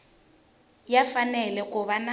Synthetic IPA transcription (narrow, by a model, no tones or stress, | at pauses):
jafanɛlɛkʼʊβana